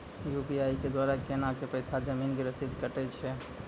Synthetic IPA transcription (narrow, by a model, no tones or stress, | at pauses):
jupiajiked̪waɾakenakepəɪsad͡ʒəminɡeɾəsid̪ʱkəʈɛt͡ʃʰɛ